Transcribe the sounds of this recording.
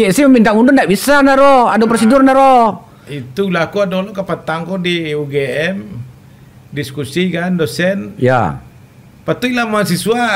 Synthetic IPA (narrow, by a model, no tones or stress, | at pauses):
jɛsɛhməmint̪amundʊndaʔbisanaɾɔhadopɾɔsidʊrnaɾɔ | it̪ulakuadolɔkapat̪aŋkɔdiuɡeɛm | diskusikandosɛnja̰ | pat̪uilamasisua